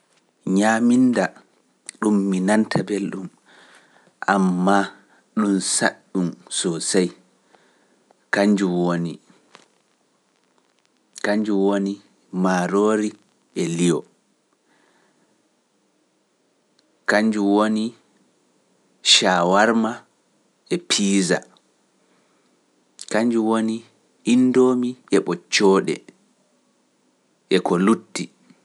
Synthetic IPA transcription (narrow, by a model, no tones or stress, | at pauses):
ɲaːminda | ɗumːinantʰabelɗum | ʔamːa | ɗumsa̰ɗːumsɔsaj | kaɲd͡ʒuwoni | kaɲd͡ʒuwoni | maɾoːɾi | ɛlijɔ | kaɲd͡ʒuwoni | ʃaːwaɾma | ʔɛpʰiːza̰ | kaɲd͡ʒuwoniː | ndoːmiʔɛɓɔt͡ʃːɔːɗɛ̰ | ʔɛkɔlutːi